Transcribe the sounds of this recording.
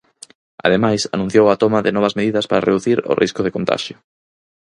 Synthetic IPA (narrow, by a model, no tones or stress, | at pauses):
a̰ðemajsa̰nũn̟θjowat̪ɔmɐðɪnɔβ̞ɐzmeðiðɐspaɾareðuθiɾʊ̰rʔḭskʊðɪkont̪a̰ʃjʊ